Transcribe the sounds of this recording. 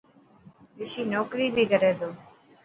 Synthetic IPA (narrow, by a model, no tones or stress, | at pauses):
ʋɪʃiːnɔːkɾiːbʱiːkəɾeːd̪oː